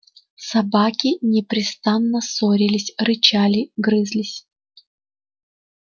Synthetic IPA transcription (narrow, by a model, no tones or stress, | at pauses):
sɐbakʲɪnʲɪpɾʲɪst̪anːəsoɾʲɪlʲɪsʲrɨt͡ɕalʲɪɡɾɨzlʲɪsʲ